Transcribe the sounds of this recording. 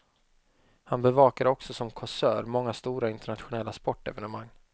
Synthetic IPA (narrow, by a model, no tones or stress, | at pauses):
hanbɛvɑːkad̪əɔksɔsɔmkʰɔsœːɾmɔŋːast̪uːɾaɪnt̪ɛɳat̪ɧʊnɛlːaspɔʈːɛ̰vɛnəmaŋː